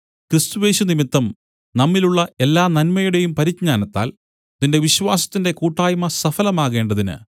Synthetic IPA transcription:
kɾɨst̪uʋe̞ːɕunimit̪ːɐm | nɐmːiluɭːɐe̞lːaːnɐnmɐjuɽe̞jumpɐɾikɲaːnɐt̪ːa̰ːl | ðinde̞ʋiɕʋaːsɐ̥t̪ːinde̞kuːʈːaːjmɐsɐfɐlɐmaːɣe̞ːɳɖɐðinɨ̰

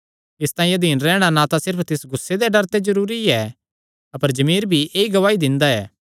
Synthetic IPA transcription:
ɪst̪ãːĩed̪ʱiːnɾɛːɽ̃anat̪asɪɾpʰt̪ɪsɡʊsːed̪eɖɐɾt̪ezɐɾuːɾiɛ | ɐpəɾd͡ʒɐmiːɾbʱiʔeːiɡɐʋaːid̪ɪ̃nd̪aɛː

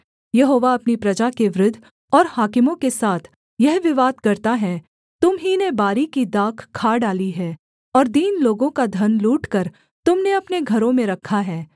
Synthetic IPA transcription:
jɐɦoːʋaɐpnipɾɐd͡ʒakeʋɾʊd̪ʱː | ɔːɾhaːkɪmõkesaːt̪ʰ | jɛɦʋɪʋaːd̪kɐɾt̪aɦɛ | t̪ʊmɦinebaːɾikid̪aːkʰkʰːaːɖaːliɦɛː | ɔːɾd̪iːnloːɡõkad̪ʱɐnluːʈkɐɾ | t̪ʊmneɐpneɡʱɐɾõmẽɾɐkʰaɦɛː

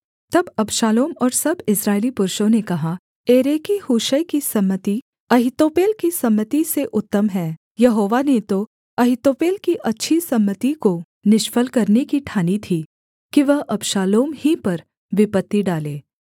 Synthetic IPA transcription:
t̪ɐbɐbʃaːloːmɔːɾsɐbɪsɾaːɪlipʊɾʃõnekɐɦa | eːɾeːkihuːʃəjkisɐmːət̪i | ɐɦɪt̪oːpeːlkisɐmːət̪iseʔʊt̪ːəmɦɛː | jɐɦoːʋanet̪o | ɐɦɪt̪oːpeːlkiʔɐtːʃʰisɐmːət̪iko | nɪʃfəlkɐɾnekiʈʰaːnit̪ʰiː | kiʋɐɦʔɐbʃaːloːmhipɐɾ | ʋɪpət̪ːiɖaːleː

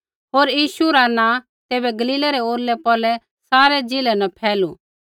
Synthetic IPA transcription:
ɦoːɾjiːʃuɾanãː | t̪eːbɛɡɐliːlaɾɛoːɾlɛpɔːlɛ | saːɾɛd͡ʒɪlɛnɐpʰɛːlu

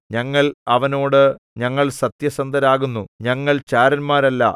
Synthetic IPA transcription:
ɲɐŋːɐɭɐʋɐno̞ːɽɨ | ɲɐŋːɐɭsɐt̪jɐsɐnd̪ɐɾaːɣunːuɲɐŋːɐɭt͡ɕaːɾɐnmaːɾɐlːɐ̰

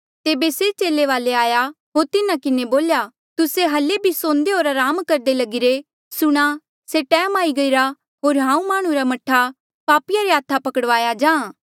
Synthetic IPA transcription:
t̪eːbeset͡ʃeːleʋaːleaːja | ɦoːɾt̪ɪnãkɪneboːlja | t̪ʊseɦɐlebʱisõːnd̪eɦoːɾaɾaːmkɐɾd̪elɐɡɪɾe | sʊɽ̃a | seʈɛːmaːiɡɐiɾa | ɦoːɾɦãːũmaːɽ̃ũɾamɐʈʰːa | paːpɪjaɾeɦaːt̪ʰapɐkəɽʋaːjad͡ʒãː

